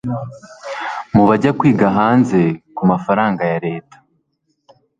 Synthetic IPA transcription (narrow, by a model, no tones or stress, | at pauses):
muβaɟakwiːɡaɦaːnze̞kumafaɾaːŋɡajaɾe̞ːtḁ